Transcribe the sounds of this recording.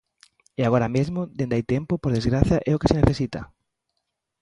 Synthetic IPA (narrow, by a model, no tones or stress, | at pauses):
eaɣ̞oɾamezmod̪ẽnd̪ajt̪empopoɾð̞ezɣɾaθjaʔɛokeseneθesit̪a̰